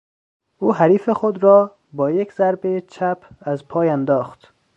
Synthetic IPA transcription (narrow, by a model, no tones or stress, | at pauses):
uːɦæɾiːfexod̪ɾɒː | bɒːjekzæɾbet͡ʃʰæpʰæzpʰɒːjænd̪ɒːxt̪